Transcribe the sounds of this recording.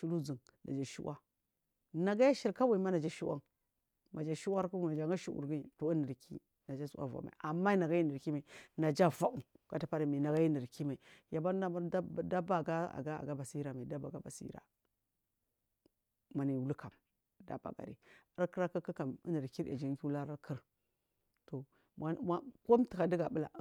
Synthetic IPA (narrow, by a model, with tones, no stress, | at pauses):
ʃu˦lu˦d͡zə˨ŋ | na̰˨d͡ʒa˨ʃṵ˦wʔa˦ | na˨ɡa˦ja˦ʃi˨ɾka˦wa˨i˨˦ma˦na˨d͡ʒa˦ʃi˦wa˦ŋ | ma˨d͡ʒa˨ʃi˦wa˦ɾku˦a˨d͡ʒa˨ŋɡa˦ʃṵ˦ṵ˨ɾɡi˦˨to˨i˦nə˨ɾkʰḭ˦ | na˨d͡ʒa˦su˨ʔa̰˦va̰˨ma̰˨i˨ʔa˨mːa˦na˨ɡa˦ji˦nə˨ɾki˦ma˨i˨na˨d͡ʒa˦va˦u˨ka˨ta˦pa˦ɾa˨mi˨na˨ɡa˦ji˦ni˨ɾki˦ma˨i˨ja˨ba˦n˦a˦a˦da˦ba˦˨ɡa˦a̰˨ɡa˦a̰˨ɡa˦ba˨si˦i˦ɾa˨ma˨i˨da˦ba˨ɡa˦ba˨si˦ḭ˦ɾa̰˨ | ma˨ni˨wu˦lu˦ka˨m˨ | da̰˨ba̰˨ɡa̰˨ɾḭ˦ | a˦ɾkə˦ɾa˦kə˦kə˦ka˨mḭ˦nə˨ɾki˦ɾa̰˨d͡ʒi˦ŋ˦ki˦u˦la˦ɾa˦kʰi˦ɾ | to˨ | ma˦ma˦ko˦mti˨ka˨di˦ɡa˨bə˦la̰˨˦